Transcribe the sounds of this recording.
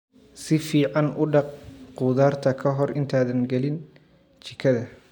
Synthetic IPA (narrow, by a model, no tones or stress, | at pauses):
sɪfiːʕɑnʊɖɑq̚qʊːðaːrt̪ʰɐkʰɐɦɔrɪnt̪ʰaːðɐnɡɛlɪn | t͡ʃʰɪkʰɐðɐ